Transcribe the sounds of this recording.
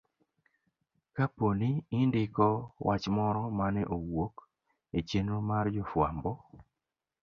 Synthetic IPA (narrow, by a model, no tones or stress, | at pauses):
kaponiɪndɪkɔwʔat͡ʃmɔɾɔmanɛʔowok | et͡ʃenomard͡ʒɔfwa̰mbɔ